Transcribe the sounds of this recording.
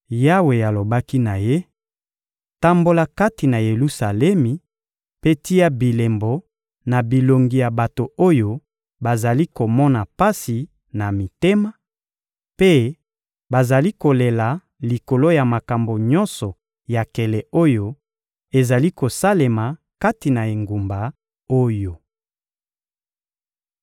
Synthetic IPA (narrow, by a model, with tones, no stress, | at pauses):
ja˦we˨ja˨lo˨ba˦ki˦na˨je˦ | ta˨mbo˨la˨ka˦ti˨na˨je˨lu˦sa˨lɛ˦mi˨ | pe˦ti˦ja˦bi˨le˨mbo˨˦ | na˨bi˨lo˨ŋɡi˨ja˨ba˨to˨o˦jo˦ | ba˨za˨li˦ko˨mɔ˦na˨pa˦si˨ | na˨mi˨te˦ma˦ | pe˦ | ba˨za˨li˦ko˨le˨la˨ | li˨ko˨lo˦ja˨ma˨ka˨mbo˨ɲɔ˦nsɔ˨ | ja˨kɛ˨lɛ˨o˦jo˦ | e˨za˨li˦ko˨sa˦le˨ma˨ | ka˦ti˨na˨e˨ŋɡu˨mba˨ | o˦jo˨